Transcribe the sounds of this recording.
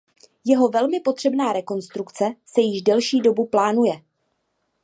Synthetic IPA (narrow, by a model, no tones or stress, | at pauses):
jɛɦo̞vɛlmɪpo̞t̪r̝̥ɛbnaːɾɛko̞nst̪ɾukt͡sɛsɛjɪʒdɛlʃiːdo̞buplaːnujɛ